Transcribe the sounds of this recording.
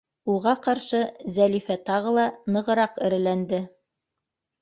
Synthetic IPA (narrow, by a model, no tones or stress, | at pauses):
uʁɑqɑɾʃɤzælifæt̪ɑʁɤlˠɑnɤ̆ʁɤ̆ɾɑqɘ̆ɾɘ̆lænd̪ɘ